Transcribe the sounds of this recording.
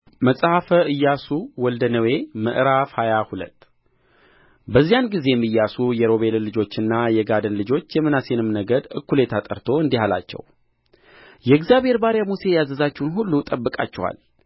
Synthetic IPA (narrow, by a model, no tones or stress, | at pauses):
məsʼhafəɨjːasuwɔld̪ənəwe̞məʔɾafhajahulə̰t̪ː | bəzːijanɡize̞jɛmːɨjːasujɛɾo̞βe̞llɨd͡ʒo̞t͡ʃːɨnːajɛɡad̪ənlɨd͡ʒo̞t͡ʃːjɛmːɨnase̞nɨmnəɡəd̪ɨkːuljɛt̪ʰat̪ʼə̰ɾt̪ʰo̞ɨnd̪ihala̰t͡ʃːɛ̰w | jɛɛɡzjabhe̞ɾbaɾjamuse̞jazəzat͡ʃːɛwnɦulːut̪ʼəbːɨkʼa̰t͡ʃːɛwa̰l